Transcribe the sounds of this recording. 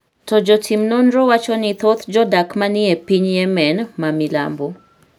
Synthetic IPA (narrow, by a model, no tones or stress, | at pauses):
tɔd͡ʒɔtʰimnɔnrɔwat͡ʃɔnit̪ʰɔt̪d͡ʒɔdakmaniɛpiɲjɛmɛnmamila̰mbo